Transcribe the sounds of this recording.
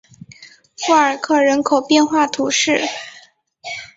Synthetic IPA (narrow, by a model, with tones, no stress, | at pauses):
fu˥˩ə˞˨˩kʰɤ˥˩ɻə˧˥nkʰo˨˩ʊpjɛ˥˧nxwa˥˩t̪ʰu˧˥ʂɻ̩˥˩